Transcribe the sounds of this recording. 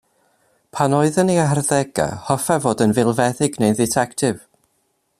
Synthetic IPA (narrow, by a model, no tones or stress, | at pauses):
pʰanoɨðəneaɦarðɛɡa̰hɔfɛvoːdənvɪlˠvɛðɪɡnejdɪtʰɛktʰɪv